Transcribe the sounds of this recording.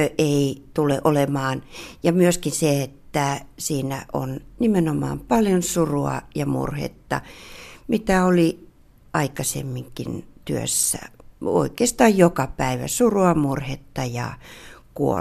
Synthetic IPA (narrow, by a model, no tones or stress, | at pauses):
øʔeit̪uleʔolemɑːnjɑmyøskinseet̪ːæsiːnæʔo̰nnimenomɑ̰ːmpɑljonsuruɑ̰jɑmṵrhḛt̪ːɑ̰mit̪æoli | ɑikɑsḛmːiŋkint̪yø̰sːæ̰o̰ikeːst̪ɑːjjokɑpæiʋæ̰suruɑmurhet̪ːɑjɑ̰kuo̰